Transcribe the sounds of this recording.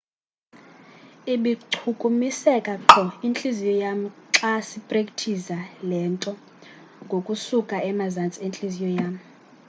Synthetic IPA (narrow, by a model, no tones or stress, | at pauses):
iɓiǃʰukʼumisɛkʼaǁʰɔint͡ɬʼizijɔjam̩ǁasipʼrekʼtʰizalɛːntʼɔ | ŋɡʱokʼusukʼaɛmazant͡sʼient͡ɬʼizijɔjaːm̩